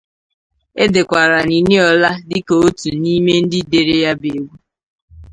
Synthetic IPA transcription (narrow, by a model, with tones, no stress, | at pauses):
e˦de˨kʷa˨ɾa˨ni˨ni˦ɔ˨la˦dɪ˦ko˨o˦tu˨ni˦me˦n̩˦dɪ˦de˨ɾe˦ja˦be˨ɡʷu˦